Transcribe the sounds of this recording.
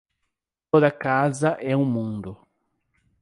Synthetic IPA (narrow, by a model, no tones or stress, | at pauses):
t̪od̪ɐkazɐʔɛũmũnd̪ʊ